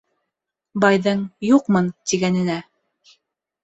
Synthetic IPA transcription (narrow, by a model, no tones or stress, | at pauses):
bɑjðɤɴjuqmɤnt̪iɡænɘ̆næ